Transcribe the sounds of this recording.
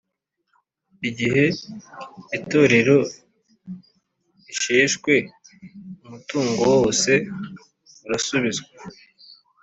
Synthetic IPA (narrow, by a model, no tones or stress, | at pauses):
iɟihe̞ | ito̞ːɾe̞ɾo̞ | iʃeːʃkwe̞ | umutuːŋɡowose̞ | uɾasuβizɡa